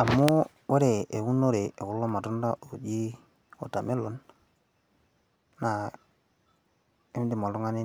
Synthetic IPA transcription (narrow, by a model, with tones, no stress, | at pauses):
a˨mːʊ˦ | we˦ɾe˨ʔe˨u˦no˦ɾe˨ʔe˨ku˦lːɔ˦ma˨tu˦nda˦o˨d͡ʒi˦ | ɔ˨ta˨me˦lo˦n | a˨ | e˦m˦di˨ma˨lu˦ŋa˦ni˦